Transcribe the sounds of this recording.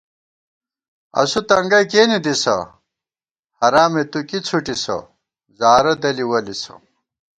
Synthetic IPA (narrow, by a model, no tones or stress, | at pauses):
ɐ̰sut̪ɐŋɡɐjkeːnid̪isɐ̰ | hɐɾaːmet̪ukit͡sʰuʈisɐ̰ | zaːɾɐd̪ɐliwɐlisɐ̰